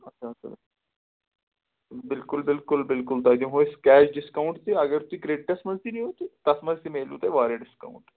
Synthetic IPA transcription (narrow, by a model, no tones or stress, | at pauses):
ət͡ɕʰaəa̰ | bɪlkulbɪlkʊlbɪlkʊlt̪ad͡ʑ̪ĩɦoskæɕɖiskauɳʈt̪iəɡəɾt̪uikɾeʈəsməd͡zt̪inĩːɦot̪it̪asməd͡zsimelṵt̪eʋaɾeɖiska̰uɳʈ